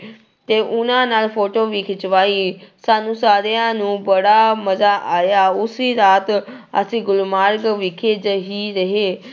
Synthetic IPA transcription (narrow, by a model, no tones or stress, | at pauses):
t̪eːʔʊnãːnaːlpʰoːʈoːʋiːkʰɪt͡ʃʋaːiːsaːnũːsaːɾjãːnũːbəɽaːməzaːʔaːjaːʊsiːɾaːt̪ə̰sĩːɡʊlmaːɾkʋɪkʰeːd͡ʒɦiːɾəɦeː